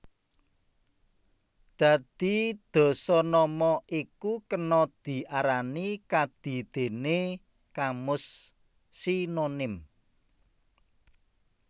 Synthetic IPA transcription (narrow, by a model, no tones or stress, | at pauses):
d̪̥ä̤d̪̥i̤d̪̥ɔ̤sɔnɔmɔʔikukənɔd̪̥i̤ʔaɾanikad̪̥i̤d̪̥e̤ne | kamʊsː | inonɪm